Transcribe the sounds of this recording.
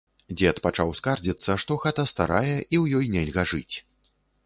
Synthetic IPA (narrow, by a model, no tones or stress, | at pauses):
d͡zʲɛt̪pat͡ʂawskard͡zʲit̪sːɐʂt̪ɔɣat̪ɐst̪a̰ɾajɛʔiwjɔjnʲɛlʲɣɐʐɨt͡sʲ